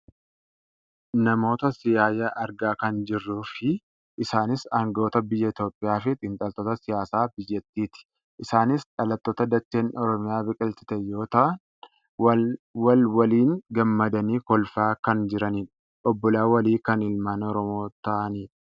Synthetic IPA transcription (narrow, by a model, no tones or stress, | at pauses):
nɐmo̞ːt̪ɐsɪjaːjɐʔɐɾɡaːkɐnd͡ʒɪrːufɪ | ʔɪsaːnɪsaːŋɡɐoːt̪ɐbɪjːɐɪt̪jo̞ːpʼːɪjaːfɪt̪ʼɪnt̪ʼɐlt̪oːt̪ɐsɪjaːsaːbɪjːɐt̪ːiːt̪ɪ̥ | ʔɪsaːnɪsᶑɐlɐt̪ːoːt̪ɐd̪ɐt͡ʃːeːnɔɾɔmɪjaːbɪkʼɪlt̪ɪ̥t̪ɛjːo̞ːt̪ɐʔ | wɐlwɐliːnɡɐmːɐd̪ɐniːkɔlfaːkɐnd͡ʒɪɾɐniːᶑɐ̥ | ʔɔbːɔlaːwɐliːkɐnɪlmaːnɔɾɔmo̞ːt̪ɐʔɐniːᶑ